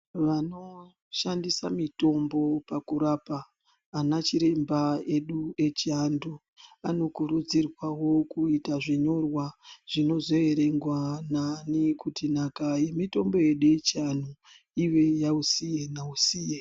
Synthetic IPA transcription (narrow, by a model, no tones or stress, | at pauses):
ʋano̞ | ʃandisamito̞mbo̞pakuɾapaː | nat͡ʃiɾe̞mbae̞ɗue̞t͡ʃiandu | ano̞kuɾud͡zirwawo̞kuitaʐiɲo̞rwaʐ̥ino̞zo̞e̞ɾe̞ŋɡwananikutinakaje̞mito̞mbo̞je̞ɗuje̞t͡ʃian̤u | iwe̞jausije̞nausiːje